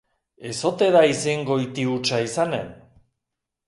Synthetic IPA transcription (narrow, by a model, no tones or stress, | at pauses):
e̞so̞t̪e̞ðaiseŋɡo̞it̪iut͡ʃaisane̞̰n